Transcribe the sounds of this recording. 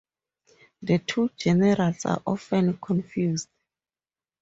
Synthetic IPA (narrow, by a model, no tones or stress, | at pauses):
dətʰud͡ʒɛnɛɾalsa̰ʔɔfɛ̃nkʰɔ̃nfjusd